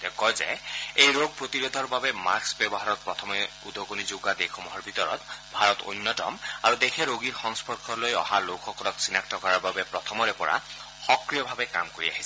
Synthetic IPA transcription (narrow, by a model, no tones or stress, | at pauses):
tɛkɔjzɛ̰ejɹoɡ̚pɹot̪iɹod̪ʱɔɹbabɛma̰ksbɛbɔɦaɹɔt̚pɹɔt̪ʰɔmɛ | ud̪ʱokonizoɡad̪ekʰɔmɔɦɔɹbʱit̪ɔɹɔ̰t̪bʱaɹɔtṵnːɔtɔ̰maɹudexʰɛɹoɡiɹxɔŋspɔɹkʰɔlojɔ̰halokxɔkɔlɔksinak̚tɔɡɔɹaɹbabɛpɹɔt̪ʰɔmɔɹɛpɔɹa̰ | xɔkɹijɔbʱabɛka̰mkoɹia̰ɦi̥sɛ